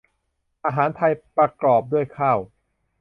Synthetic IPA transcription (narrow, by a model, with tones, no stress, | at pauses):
ʔaː˧ɦaː˩˦nt̪ʰa˧jpɾa˧klɔː˨˩p̚du˥˩əjkʰaː˥˩w